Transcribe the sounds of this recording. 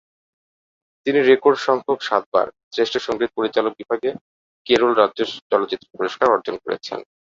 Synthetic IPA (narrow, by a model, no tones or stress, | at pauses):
t̪iniɾekoɾɖʃɔŋɡʱokʃat̪̚ba̰ɾsɾeʃʈeɾʃɔŋɡɾit̪̚poɾit͡ɕalok̚bibʱaɡe | keɾolɾadd͡ʑeɾt͡ɕɔlot͡ɕit̪ːɾopoɾoʃkaɾɔɾd͡ʑonkoɾḛt͡ɕʰḛn